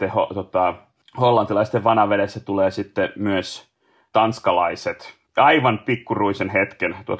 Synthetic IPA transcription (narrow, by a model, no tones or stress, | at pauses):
eho̰t̪ot̪ɑ | holːɑnt̪ilɑist̪ːeʋʋɑnhɑʋedesːæt̪uleːsit̪ːemyøs | t̪ɑnskɑlɑiset̪ | ɑiʋɑnpikːuruisenɦet̪kent̪uo̰t̪